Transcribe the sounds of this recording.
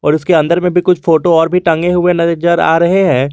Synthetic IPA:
ɔːɾɪskeɐ̃nd̪əɾmẽbʱikʊt͡ʃʰfoːʈoɔːɾbʱiʈɐ̃ŋɡeɦʊenɐt̪id͡ʒəɾa̰ːɾɐɦeɦɛ̃ː

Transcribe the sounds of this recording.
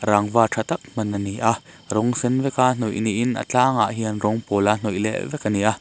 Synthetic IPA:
ɾaŋvaːtʰat̪ɐk̚mɐnɐniʔa | rɔŋsɛnvɛkaːn̥ujʔniʔɪnʔɐ̰t͡ɬaːŋa̰ʔɦiɐnrɔŋpɔːlan̥ujlɛ̰ʔvɛkaniʔa

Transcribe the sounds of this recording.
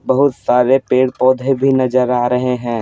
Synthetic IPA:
bɐɦʊt̪saːɾepeːɽpɔːd̪ʱebʱinɐd͡ʒəɾaːɾɐɦeɦɛ̃ː

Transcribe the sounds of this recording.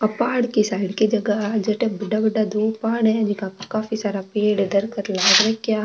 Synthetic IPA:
ɐpaːɽkisaːɪɽkid͡ʒɐɡəɦd͡ʒeʈebɐɖabɐɖad̪oːpaːɽɦɛ̃d͡ʒɪkãkaːfisaːɾapeːɽd̪ɐɾkət̪laːɡɾɐkjaː

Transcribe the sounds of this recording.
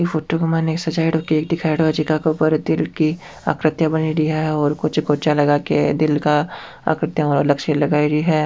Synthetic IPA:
ifoːʈoɡɪmaneːksɐd͡ʒaːiɽoːkieːk̚d̪ɪkʰaːɪɽʋad͡ʒikakeʊpəɾd̪ɪlki | a̰ːkɾɪt̪jabɐniɾiɦɛɔːɾkʊt͡ʃɡoːt͡ʃalɐɡaːked̪ɪlka | a̰ːkɾɪt̪jaɔːɾɐləɡʃelɐɡaːiɾiɦɛː

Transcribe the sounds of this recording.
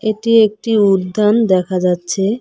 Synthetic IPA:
eʈiek̚ʈiudd̪ʱːand̪ɛkʰad͡ʑatːɕʰe

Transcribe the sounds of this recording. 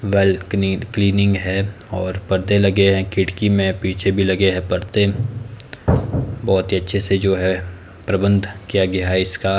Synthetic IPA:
ʋɛːlkliːnɪ̃ŋɡɦɛː | ɔːɾpɐɾt̪elɐɡeɦɛ̃kɪʈkimẽpiːt͡ʃʰebʱilɐɡeɦɛ̃pɐɾt̪e | bɔːt̪ɦiɐtːʃʰesed͡ʒoːɦɛ | pɾɐbə̃nd̪ʱkijaɡɐjaɦɛɪska

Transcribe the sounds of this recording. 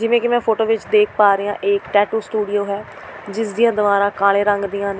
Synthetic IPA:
d͡ʒɪʋẽːkɪmɛ̃ːpʰoːʈoːʋɪt͡ʃd̪eːk̚ʰpaːɾeːãːʔeːkʈɛːʈuːsʈuːɖioːɦɛː | d͡ʒɪsd̪ijãːd̪əʋaːɾãːkaːlẽːɾəŋɡd̪ijãːne

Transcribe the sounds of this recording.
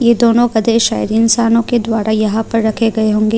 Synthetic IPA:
jeːd̪oːnõɡɐd̪eʃa̰ːjɾiɪnsaːnõked̪waːɾajɐɦãpɐɾːɐkʰeɡɐeɦõːŋɡeː

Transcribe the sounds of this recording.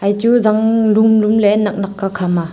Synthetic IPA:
ajtuzaŋlumlumlenak̚nakːakʰama

